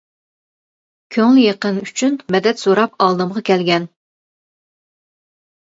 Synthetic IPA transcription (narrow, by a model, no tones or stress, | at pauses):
kʲʰøŋlɪjeqənyt͡ʃʰynmɛd̪ɛt̪soɾɑp̚ɑlˠd̪ɨmʁɑkʲʰɛlɡʲɛn